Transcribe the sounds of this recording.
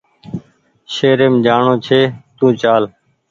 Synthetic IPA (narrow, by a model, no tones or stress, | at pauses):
ʃeːɾeːmd͡ʒaːɳõːt͡ʃʰeːt̪ũːt͡ʃaːl